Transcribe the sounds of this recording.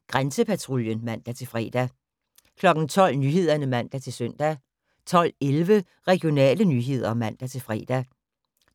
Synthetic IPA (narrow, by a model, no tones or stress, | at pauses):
ɡ̥ʁansəpʰæt͡sʰʁoljənmæn̰d̥æt͡sʰe̝lfʁɛ̰ːd̥æ | kʰlɒ̽ɡ̥n̩t͡sʰɒ̽l̰nyːɦe̝ð̰ˠɐnəmæn̰d̥æt͡sʰe̝lsœn̰d̥æ | t͡sʰɒ̽l̰elʋə | ʁɛɡ̥io̝nɛ̰ːlənyːɦe̝ð̞̰ˠɐmæn̰d̥æt͡sʰe̝lfʁɛ̰ːd̥æ